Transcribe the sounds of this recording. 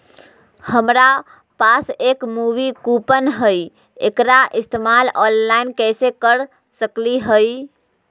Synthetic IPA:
həmɾa | pasekmuʋikupənɦəj | ḛkɾaʔist̪emalɔnlainkɛsekəɾ | səkliɦəj

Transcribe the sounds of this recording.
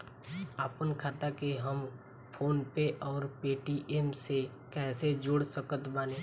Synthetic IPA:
aːpənkʰaːt̪akeɦəm | pʰoːnpeʔɔːɾpeːʈiʔeːmse | kɛːsed͡ʒʊɽsəkət̪baːneː

